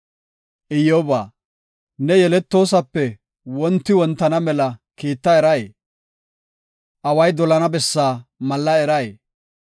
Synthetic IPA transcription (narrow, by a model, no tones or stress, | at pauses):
ʔɪjoːbaː | nɛjɛlɛt̪ːo̞ːs̬ɐpːɛ | wɔnt̪ːɪwɔnt̪ːɐnɐmɛlɐkiːt̪ːɐɛɾɐjeː | ʔɐwɐjd̪ɔlɐnɐbɛsːaːmɐlːɐɛɾɐjeː